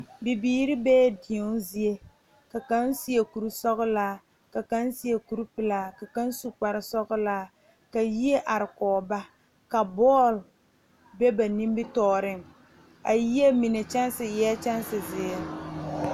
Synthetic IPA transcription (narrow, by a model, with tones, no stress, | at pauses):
bi˨biː˨ɾɪ˦bɛː˦di˨ɔ˦zi˦e˦ | ka˨ka˦n˦si˦e˨ku˨ɾu˦sɔ˦ɣʊ˦laː˦ | ka˨ka˦nsi˦e˨ku˨ɾu˦pɪ˨laː˦ka˨ka˦n˦su˨k͡pa˨ɾɪ˨sɔ˦ɣʊ˦laː˦ | ka˨ji˦e˦ʔa˨ɾɪ˨kɔː˨ba˦ | ka˨bɔː˦˨l | bɛ˦ba˨ni˦m˦bɪ˦tɔː˦˨ɾɪ˦ŋ | a˨ji˦e˦mi˨ne˨t͡ʃa˦n˦sɪ˨jɛː˦t͡ʃa˦n˦sɪ˨zɪː˨ɛ˨˦